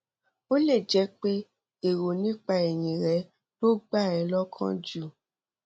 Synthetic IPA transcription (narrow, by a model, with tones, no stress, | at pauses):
o˦le˦˨d͡ʒɛ˨˦k͡pe˦ | e˨ɾo˨nĩ˦k͡pa˧ɛ˨jĩ˨ɾɛ˨˧˦ | to˦ɡ͡ba˦˨ɛ˨˦lɔ˦kʰã̰˦d͡ʒu˦˨